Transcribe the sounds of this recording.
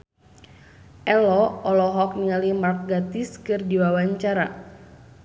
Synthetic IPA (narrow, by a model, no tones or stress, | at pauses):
ʔɛlɔɔlɔɦɔk̚niŋalimark̚ɡat̪iskɨrdiwawaɲt͡ʃaɾa